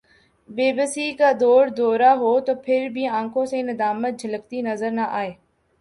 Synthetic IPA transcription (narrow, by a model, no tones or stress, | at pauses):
beːbəsiːkaːd̪ɔːɾd̪oːɾaːɦoːt̪oːpʰɪɾbʱiːãːŋkʰõːsẽːnɪd̪aːmət̪̚d͡ʒʱələk̚t̪iːnəzəɾnəʔaːeː